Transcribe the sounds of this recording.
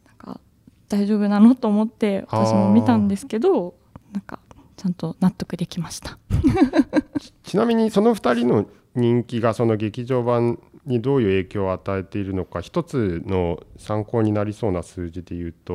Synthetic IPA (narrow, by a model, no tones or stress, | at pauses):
nãŋka̰ | d̪̥aiʑo̞ːbɯ̟nanot̪o̞ːmo̞t̪ːe̞βat̪aɕimo̞mʲit̪ãnd̪e̞sɨ̥ke̞d̪o̞ | nãŋka̰ | t͡ɕãnt̪o̞nat̪ːo̞kɯ̟d̪e̞kʲimaɕi̥t̪ḁ | t͡ɕinamʲiɲ̟iso̞no̞ɸɯ̥t̪aɾʲino̞ | ɲ̟ĩŋkʲiɡaso̞no̞ɡe̞kʲiʑo̞ːbãɲɲid̪o̞ːjɯ̟ːe̞ːkʲo̞ːat̪ae̞t̪e̞iɾɯ̟no̞kaçi̥t̪o̞t͡sɨno̞sãŋko̞ːɲ̟inaɾʲiso̞ːnasɨːd͡ʑid̪e̞jɯ̟ːt̪o̞